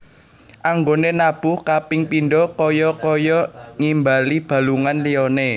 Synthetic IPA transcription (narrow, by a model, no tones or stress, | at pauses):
ʔaŋɡonenab̥uhkapɪŋpinɖɔkɔjɔkɔjɔŋimbalib̥a̤luŋanliɔne